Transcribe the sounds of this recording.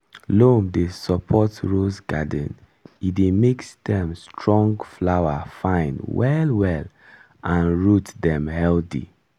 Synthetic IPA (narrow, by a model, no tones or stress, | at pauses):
lõmdesɔpʰɔtɹosɡadə̃n | idemeksdɛ̃mstʰɹɔ̃ŋɡflawafãɪ̃nwɛlwɛl | ʔãnɹutdɛ̃mhɛlθḭ